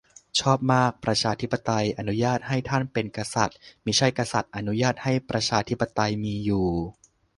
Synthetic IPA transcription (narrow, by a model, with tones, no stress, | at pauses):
t͡ɕʰɔː˥˩p̚maː˥˩k̚pɾa˧t͡ɕʰaː˧t̪ʰi˦˥pːa˧t̪a˧jʔa˧nu˦˥jaː˥˩t̪̚ha˥˩jt̪ʰa˥˩npe˧nka˧sa̰˨˩t̪̚mi˦˥˩t͡ɕʰa˥˩jka˧sa˨˩t̪̚ʔa˧nu˦˥jaː˥˩t̪̚ha˥˩jpɾa˧t͡ɕʰaː˧t̪ʰi˦˥pːa˧t̪a˧jmiː˧juː˨˩